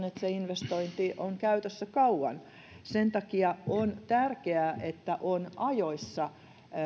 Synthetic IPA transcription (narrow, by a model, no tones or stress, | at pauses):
net̪seinʋest̪oint̪iʔoŋkæyt̪øsːækɑuwɑn | sent̪ɑkiɑont̪ærkeæʔet̪ːæʔonɑjoisːɑ